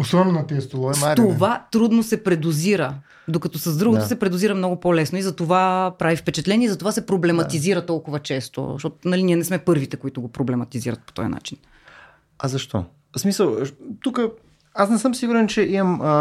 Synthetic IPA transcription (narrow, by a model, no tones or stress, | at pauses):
osɔnonɐt̪ɛɛst̪olˠɔɛat̪ovat̪ɾud̪nosɛpɾɛd̪uziɾə | d̪okɐt̪ɔsɐzd̪ɾuɡot̪ʊsɛpɾɛd̪ʊziɾɐmnɔɡʊpɔlɛsnoizɐt̪ovapɾavifpɛt͡ʃɛt̪lɛniɛizɐt̪ovasɛpɾoblɛmɐt̪iziɾət̪ɔlˠkʊvɐt͡ʃɛst̪o̰ʃɔt̪nɐliniɛnɛsmɛpɤɾvit̪ɛkoit̪ʊɡopɾoblɛmɐt̪iziɾɐ̰t̪̚po̥t̪ɔ̰jɐ̰na̰t͡ʃin | ɐzɐʃt̪ɔ̰ | smisəlˠt̪ukə | asnɛsɤmsiɡuɾɛnt͡ʃɛimɐmə